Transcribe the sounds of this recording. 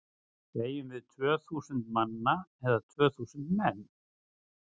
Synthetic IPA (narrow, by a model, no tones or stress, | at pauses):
keːjʏmvɪðt̪ʰvœːθuːsʏnt̪manːaɛðat̪ʰvœːθuːsʏnt̪mɛnː